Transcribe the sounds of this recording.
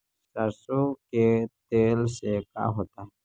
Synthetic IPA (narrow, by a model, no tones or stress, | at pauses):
sasoket̪eːlseka̰ɦoːt̪aɦɛ